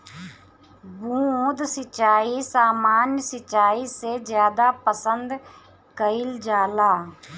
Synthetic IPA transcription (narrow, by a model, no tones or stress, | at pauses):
bũːõːd̪sɪt͡ʃaːiːsaːmaːnjsɪt͡ʃaːiːseːd͡ʒjaːd̪aːpəsənd̪ | kəɪld͡ʒaːlaː